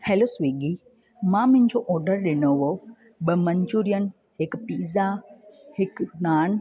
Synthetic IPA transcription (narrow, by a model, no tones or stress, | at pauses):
helosʋiːɡi | mãmʊ̃ɦɪ̃ɲd͡ʑoʔɔːɾɖəɾɗɪnoʋo | ɓəmɐ̃ɲd͡ʒuːɾijən | hɪkpiːzahɪknaːn